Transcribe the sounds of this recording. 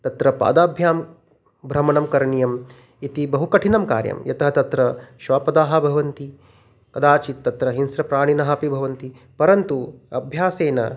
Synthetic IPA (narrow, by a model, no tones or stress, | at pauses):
t̪ɐt̪ɾɐpa̰ːd̪aːbʱjaːm | bʱɾɐmɐnɐmkɐɾɐɳijɐm | it̪ibɐɦukɐʈʰinɐmka̰ːɾjɐ̰mjɐt̪ɐɦɐt̪ɐt̪ɾɐʃʋaːpɐd̪aːɦɐ̆bʱɐʋɐnt̪i | kɐd̪aːt͡ʃit̪ːɐt̪ɾɐɦinsɾɐpɾaːɳ̃inɐɦɐpibʱɐʋɐnt̪i | pɐɾɐnt̪uɐ̰bʱjaːseːnɐ̰